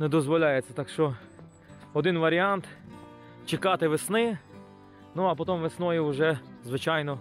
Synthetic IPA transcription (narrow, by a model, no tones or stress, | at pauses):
nɛd̪ɔzʋɔlʲajet͡sʲːɐt̪ɑkʃt͡ʃɔ | ɔd̪ɪnʋɐɾʲiɑnt̪ | t͡ʃɪkɑt̪ɪʋesnɪ | nuɐpɔt̪ɔmʋesnɔjʊʊʒɛzʋɪt͡ʃɑjnɔ